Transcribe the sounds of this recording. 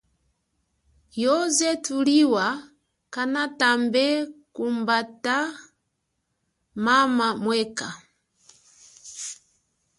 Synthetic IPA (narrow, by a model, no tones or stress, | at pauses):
jɔzɛtuliwa | kanatambɛkumbata | mamamwɛka